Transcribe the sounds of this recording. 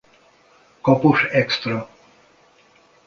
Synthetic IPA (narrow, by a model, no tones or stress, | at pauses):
kɔpuʂɛkst̪ɾɔ